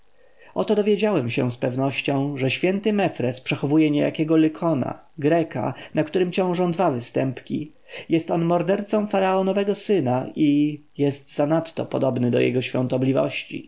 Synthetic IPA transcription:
ʔɔt̪ɔd̪ɔvʲjed͡ʑawɛmɕɛspɛvnɔɕt͡ɕɔ̃w̃ʐɛɕfʲjɛnt̪ɘmɛfɾɛspʂɛxɔvujɛɲeja̰kʲɛɡɔlɘkʰɔna̰ | ɡɾɛka̰nakt̪uɾɘmt͡ɕɔ̃w̃ʐɔ̃w̃d̪vavɘst̪ɛmpkʲi | jɛst̪ɔnmɔɾd̪ɛɾt̪sɔ̃w̃faɾaɔnɔvɛɡɔsɘnai | jɛst̪zanat̪ːɔ̰pɔd̪ɔbnɘd̪ɔ̰jɛ̰ɡɔɕfʲjɔ̰̃nt̪ɔblʲivɔ̰ɕt͡ɕḭ

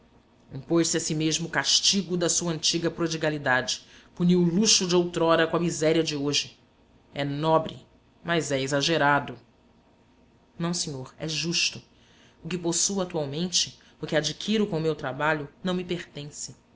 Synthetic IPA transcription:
ĩpojsɪasimeʒmʊkaʃt͡ʃiɡʊd̪ɐsuɐɐ̃nt͡ʃiɡɐpɾod͡ʒiɡalid̪ad͡ʒɪ̥puniwʊluʃʊd͡ʒɪowt̪ɾɔɾɐkõɐmizɛɾiɐd͡ʒɪoʒɪ | ɛnɔbɾɪ̰ | mɐzɛezaʒeɾad̪ʊ | nɐ̃w̃sẽɲoɾɛʒuʃt̪ʊ | ʊkɪposuat̪uawmẽnt͡ʃɪ | ʊkɪad͡ʒikʰiɾʊkõʊmewt̪ɾabaʎʊnɐ̃w̃mɪpeɾt̪ẽsɪ̥

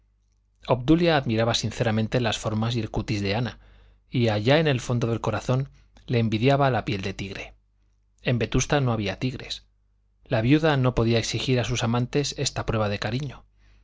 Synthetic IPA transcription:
o̞pd̪uljaːðmiɾaβasinθe̞ɾamẽnt̪e̞lasfo̞ɾmasje̞lkut̪izðe̞ana | iaʝaene̞lfo̞nd̪o̞ðe̞lko̞ɾaθo̞n | le̞ːmbiðjaβalapje̞ld̪e̞t̪iɣɾe̞ | e̞mbe̞t̪ust̪ano̞aβiat̪iɣɾe̞̰s | laβjuðano̞po̞ðiae̞ksixiɾasusamãnt̪e̞se̞st̪apɾwe̞β̞aðe̞kaɾiɲo

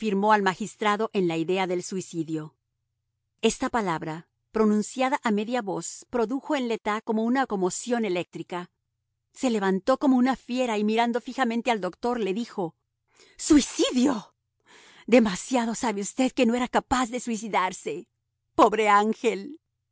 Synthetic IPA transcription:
fiɾmo̞almaxist̪ɾaðo̞ʔe̞nlaiðe̞aðe̞lswisiðjo̞ | e̞st̪apalaβɾa | pɾo̞nũnsjaðaʔame̞ðjaβo̞spɾo̞ðuxo̞e̞nle̞t̪ako̞mo̞unako̞mo̞sjo̞ne̞le̞k̚t̪ɾika | se̞le̞βant̪o̞ko̞mounafje̞ɾaimiɾand̪o̞fixament̪eald̪o̞kt̪o̞ɾle̞ðixo̞ | swisiðjo̞ | d̪e̞masjaðo̞saβeust̪e̞ðke̞no̞e̞ɾakapazðe̞swis̬iðaɾse̞ | po̞βɾe̞aŋxe̞l

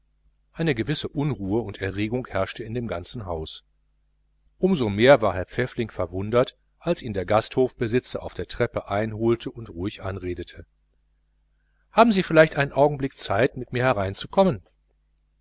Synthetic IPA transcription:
ʔaɪnəɡəvɪsəʔʊnʁuːəʊntɛɐʁeːɡʊŋhɛɐʃtəɪndeːmɡant͡sn̩ɦaʊs | ʔʊmzomeːɐvaːɐɦɛɐp͡fɛflɪŋfɛɐvʊndɐt | ʔalsʔiːndeːɐɡasthoːfb̥əzɪt͡sɐʔa̰ʊfd̥eːɐtʁ̥ɛpəʔaɪnɦoːltʰəʔʊntʁuːɪçʔanʁeːdətʰə | haːbm̩ziːfɪlaɪçtʔaɪnənʔaʊɡŋ̩blɪk̚t͡saɪtmɪtmiːɐhɛʁaɪnt͡sukʰɔmən

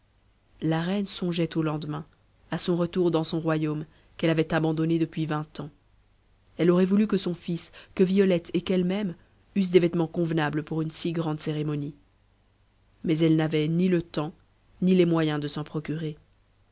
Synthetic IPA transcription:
laʁɛnsɔ̃ʒɛt̪olɑ̃d̪mɛ̃ | asɔ̃ʁət̪uʁd̪ɑ̃sɔ̃ʁwajom | kɛlavɛt̪abɑ̃d̪ɔned̪əpɥivɛ̃t̪ɑ̃ | ɛlɔʁɛvulykəsɔ̃fiskəviɔlɛt̪ʰekɛlmɛm | ys̬d̪evɛt̪mɑ̃kɔ̃vnabləpuʁynsiɡʁɑ̃d̪seʁemɔni | mɛzɛlnavɛnilət̪ɑ̃ | nilɛmwajɛ̃d̪əsɑ̃pχɔkʲyʁe

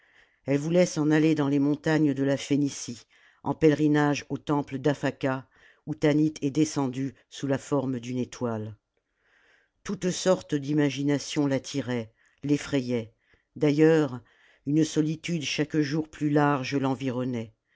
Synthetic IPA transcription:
ɛlvulɛsɑ̃naled̪ɑ̃lemɔ̃t̪aɲd̪əlafenisi | ɑ̰̃pɛlʁinaʒot̪ɑ̃pləd̪afaka | ut̪anit̪ʰɛd̪esɑ̃d̪y | sulafɔʁmd̪ynet̪wal | t̪ut̪sɔʁt̪d̪imaʒinasjɔ̃lat̪ʰiʁɛ | lefχɛjɛ | d̪ajœʁ | ynsɔlit̪yd̪ʃakʒuʁplylaʁʒəlɑ̃viʁɔnɛ

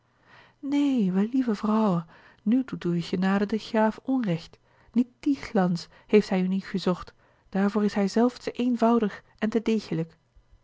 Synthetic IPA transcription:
neːʋɛlivəvrʌwə | nydutuɪχənaːdədəχaːfɔnrɛxt | nit̚d̥ixlɑns | hejftɦɛjynitχəzɔχt | d̥aːɹvuːɹɪsɦɛjzɛlˠftəʔenvʌwdəχʔɛntədeːχələk

